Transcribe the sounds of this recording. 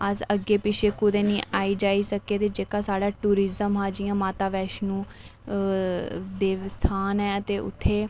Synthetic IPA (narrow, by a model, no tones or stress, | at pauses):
əsəɡːeːpɪʃʰeːkʊd̪ẽːniːʔaːiːd͡ʒaːiːsəkeːt̪eːd͡ʒeːkaːsaːɖaːʈuːɾɪzəmɦaːd͡ʒiːãːmaːt̪aːʋɛːʃnũː | d̪eːʋst̪ʰaːnɛːət̪eːʊ̰t̪ʰːeː